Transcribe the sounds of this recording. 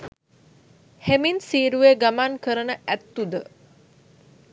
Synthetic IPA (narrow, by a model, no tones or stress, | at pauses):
heminsiːɾuʋeɡamankəɾənəʔæt̪ːud̪ə